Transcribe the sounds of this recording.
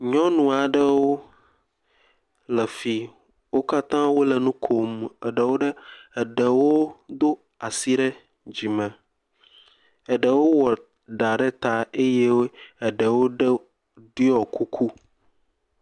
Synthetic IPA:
ɲɔ̃˦nũ˨a˨ɖə˦wo˦ | lə˨fi˨ | wo˦ka˦t̪ã˦wo˦lə˨nũ˦kʰo˨mə̰˨ɖə˨wo˦ɖə˦ɛ˨ɖə˨wo˦d̪o˦ | a˨si˦ɖə˦ | d͡ʑi˨mɛ̃˨ | ɛ˨ɖə˨wo˦wɔ˨ | ɖa˨ɖə˦t̪a˦e˦jɛ˦wo˦ɛ˨ɖə˨wo˦ɖə˦ | ɖu˦ɔ˨ku˦kʰu˦

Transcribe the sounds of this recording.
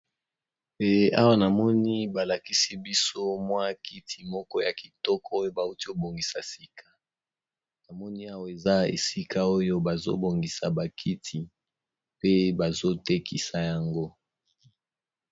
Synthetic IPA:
e˦a̰˦wa˦na˨mɔ˦ni˦ba˨la˨ki˦si˦bi˦so˦mwa˦kʰi˦tʰi˨mɔ˦kɔ˦ja˨ki˨tɔ˦kʰɔ˦jo˦ba˨u˦ti˦o˨bo˨ŋɡi˨sa˨si˨kʰa˨ | na˨mɔ˦ni˦a˦wa˨e˨za˦ḛ˨si˦ka˦o˦jo˦ba˨zo̰˦bo˨ŋɡi˨sa˨ba˨kʰi˦tʰi˨ | pe˦ba˨zo˦te˦kʰi˦sa˨ja˨ŋɡo˦

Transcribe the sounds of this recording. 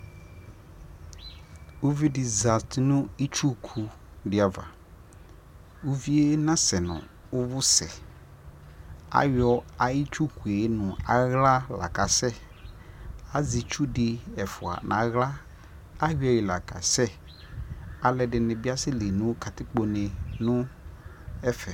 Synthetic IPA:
u˦vi˦dɪ˨za˨stnʊ̃˦i˦t͡ʃu˦kʰu˨ | dɪ˨a˨va̰˨ | u˦vi˦e˦nã˦sɛ˨nʊ̰̃˨ | ʊ˦vʊ˦sɛ̰˨ | a̰˦jɔ˦a˦i˦t͡ʃu˦kʰu˨e˨˦nʊ̃˨a˨ɣla˦la̰˨ka˨sɛ˦ | a˦zi˨t͡ʃu˦dɪ˨ɛ˨fʊ˨a̰˨na̰˨ɣla˦ | a˦ji˦ɔ˨jɪ˨la˨ka̰˨sɛ˦ | a˨lɛ˨dɪ˨nɪ̃˨bɪ˦a˦sɪ˦le˨nʊ̃˦ka˨tɪ˦k͡po˨ne˨nʊ̃˦ | ɛ˦fɛ˨

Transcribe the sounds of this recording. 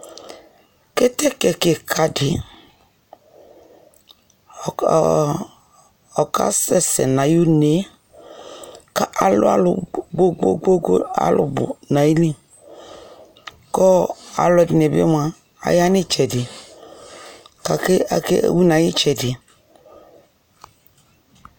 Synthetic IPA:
kɛ˦tɛ˦kɛ˨ke˨kʰa˨dɪ˨ | ɔ˨ka̰˦sɛ˦sɛ̰˨na˨ju˦ne˨˦ | ka˦ʔa˨lʊ̰˦a̰˦lɡ͡bo˦ɡ͡bo˦ɡ͡bo˦ɡo̰˦a̰˦lʔʊ̰˨bʊ̰˨na˨i˦li˦ | kɔ˦a̰˨lɔ˧˨dɪ˨n˨e˨bm˦a˨ | a̰˨ja˦nɪ˦t͡ʃɛ˨dɪ˨ | ka˨ke˦a̰˨kḛ˦˨wu˦na˨˦ji˦t͡ʃɛ˨dɪ˨

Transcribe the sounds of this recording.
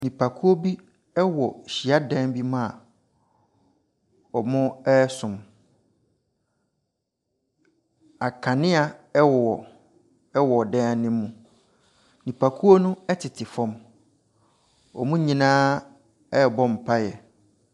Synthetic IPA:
nĩ˨pʰa˨kʰu˦o˦bi˦ | ɛ˦wɔ˨ɕi˨a˦dɛ̃˦nbi˦mã˦a˨ | ɔ˨mʊ̃˦ɛ˦sʊ̃˨m | a˨kʰã˨nɪ̃˦a˨ɛ˦wɔ˨wɔ˨ | ɛ˦wɔ˨dɛ̃˦nɪ̃˦mũ˨ | nĩ˨pʰa˨kʰu˦o˦nʊ̃˦ɛ˦tʰɪ˨tʰɪ˨fɔ̃˦m | ɔ̰˨mũ˦ɲĩ˨nãː˦ | ɛ˦˨bɔ˦m̩˨pʰa˦jɛ˨

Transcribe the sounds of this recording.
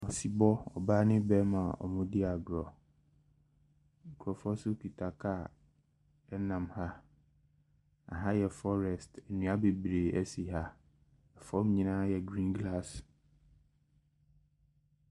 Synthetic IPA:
ɔ˨si˨bɔ˦ɔ̰˨baː˦nɪ̃˦bɛ˦mã˨ɔ̰˨mʊ̃˦dɪ˦a˨ɡɾɔ˨ | ŋ̩˨kʰu˨ɾɔ˨fɔ˦sʊ˦kʰi˨tʰa˨kʰa˦˨ | ɛ˦nã˨mha˦ | a̰˨ɦã˦jɛ˨fɔ˦ɾɛ˨stɛ˨nũ˨˦a˦be˨bɾe˨ɛ˦si˨ɦa˦ | ɛ˨fɔ˦m˦ɲĩ˦nãː˦jɛ˨ɡɾĩ˦nɡla˦s

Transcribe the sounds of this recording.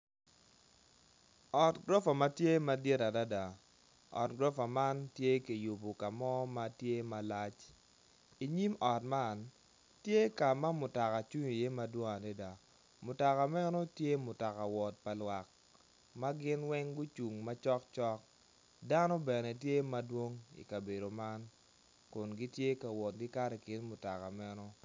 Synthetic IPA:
ɔ˨tɡɾɔ˦fa˨ma˦tje˦ma˦de˦ta˨da˦da˨ | ɔ̰˨tɡɾɔ˦fa˨ma˦ntje˦ke˨ju˨bo˨ka˨mɔ˦ma˦tje˦ma˨la˦t͡ʃ | i˨ɲi˦mɔ˨t̚ma˦˨n | tje˦ka˨ma˦mʊ˨ta˨ka˨t͡ʃu˦ɲi˨je˦ma˦dwɔ˦ŋa˨de˦da˨ | mʊ˨ta˨ka˨mɛ˦nɔ˦tje˦mʊ˨ta˨ka˨wɔ˨t̚pa˨lwa˨k̚ | ma˦ɡɪ˦nwɛ˦ŋɡʊ˦t͡ʃu˨ŋma˦t͡ʃɔ˦k̚t͡ʃɔ˦k̚ | da˦nɔ˦bɛ˨nɛ˨tje˦ma˦dwo˦ŋḭ˨ka˨be˨do˨ma˦n | kʊ˨nɡi˦tje˦ka˨wɔ˨t̚ɡɪ˦ka˦ɾɛ˨kɪ˦nmʊ˨ta˨ka˨mɛ˦nɔ˦

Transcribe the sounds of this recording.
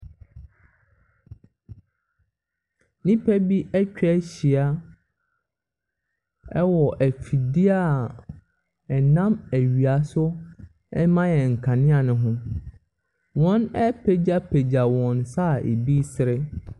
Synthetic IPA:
nĩ˦pʰæ˦bi˦ʔɛ˦t͡ɕᶣɛ˦ɕi˨a˨ | ɛ˦wɔ˨ʔæ˨fi˨di˦a˦˨ | ɛ˨nã˦mæ˨ɥi˨a˨sʊ˦ | ɛ˦mã˦jɛ˨ŋ̩˨kʰã˨nɪ̃˦a˨nʊ̃˨ɦʊ̃˦ | wɔ̃˦nɛ˦pʰe˨d͡ʑa˦pʰe˨d͡ʑa˨wɔ̃˨nsa˦˨ḛ˨bi˦sɪ˨ɾɪ˦

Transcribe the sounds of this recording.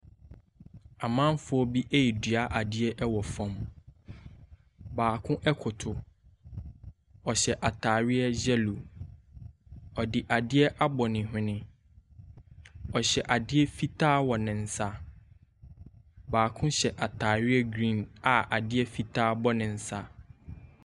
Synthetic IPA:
a˨mã˦mfʊ˦ɔ˦bi˦ʔe˦ji˨dɥa˦ʔa˨dɪ˦ɛ˦ʔɛ˦wɔ˨fɔ̃˨m | baː˨kʰʊ̃˦ʔɛ˦kʰʊ˨tʰʊ˨ | ɔ˨ɕɛ˨ʔa˨tʰaː˨ɾɪ˦ɛ˦d͡ʑɛ˦lu˨ | ɔ˨dɪ˨ʔa˨dɪ˦ɛ˦ʔa˦bɔ˨nɪ̃˨ɦʊ̃˦nɪ̃˦ | ɔ˨ɕɛ˨ʔa˨dɪ˦ɛ˦fi˦tʰaː˦wɔ˨nɪ̃˨n̩˨sa˦ | baː˨kʰʊ̃˦ɕɛ˨ʔa˨tʰaː˨ɥɪ˦ɛ˦ɡɾĩ˦˨na˨ʔa˨dɪ˦ɛ˦fi˦tʰaː˦bɔ˦nɪ̃˨n̩˨sa˦

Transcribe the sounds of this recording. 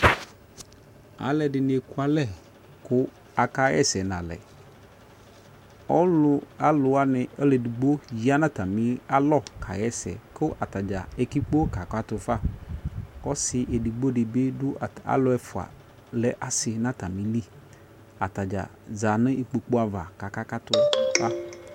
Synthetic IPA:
a̰˨lɛ˨ɖɪ˨ne˨ku˦a˨lɛ˦˨ | kʊ˦ | a˨ka˦ɛ̰˦sɛ˨nã˨lɛ̰˨ | ɔ˦lʊ˦a˨lʊ˨a˦nɪ̃˨e˦le˨du˨ɡ͡bo˦d͡ʒi˦a˦nã˦t̪a˨mĩ˦a˦lɔ˦˨kʰa̰˨jɛ˦sɛ̰˨kʊ˦ʔa˨t̪a˨d͡ʒa˨e˨ki˦k͡po˦ka˨ka˦t̪ʊ˨fa˦ | kɔ˦sɪ˨ʔe˨di˨ɡ͡bo˦ɖɪ˨be˦dʊ˦˨a̰˨lʊ˨˦ɛ˦fʊ˨a̰˨ | lɛ˨ʔa˨sɪ˨nã˦t̪a˨mĩ˨li˦˨ | a˨t̪a˨d͡ʒa̰˨za˨nɪ̃˦i˨k͡pe˨k͡po˦a˨va˨ka˨ka˦ka˦t̪ʊ˦fa˦

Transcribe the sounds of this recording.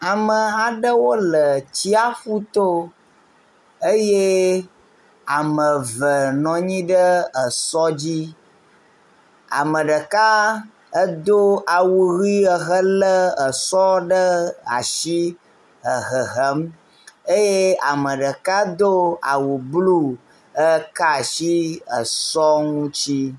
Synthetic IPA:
a˨mə˨a˨ɖə˦wo˦lə˨t͡ɕi˦a˦fu˦t̪o˦ | e˦je˦ | a˨mə̃˨və˨nɔ̃˨ɲĩ˦ɖə˦ə˨sɔ˦d͡ʑi˦ | a̰˨mə̃˨ɖə˨ka˦ | ə˦d̪o˦a˨wu˨ɣi˦ə˨ɦə˦lə˦ə˨sɔ˦ɖə˦a̰˨ʃi˦ | ə˨ɣə˨ɦə˦m | e˦je˦a̰˨mə̃˨ɖə˨ka˦d̪o˦a̰˨wu˨blu˦ | ə˦ka˦ʃi˦ə˨sɔ˦ŋũ˦t͡ɕi˦

